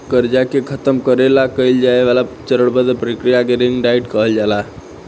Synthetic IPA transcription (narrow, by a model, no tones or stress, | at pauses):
kəɾd͡ʒakekʰət̪əmkəɾelakəjld͡ʒaeʋalat͡ʃəɾəɽbəd̪pəɾikɾijakeɾiŋɡɖaiʈkəɦəld͡ʒala